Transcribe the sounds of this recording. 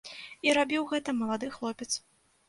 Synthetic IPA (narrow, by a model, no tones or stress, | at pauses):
iɾabʲiwɣɛt̪ɐmɐlˠad̪ɨxlˠɔpʲɛt̪s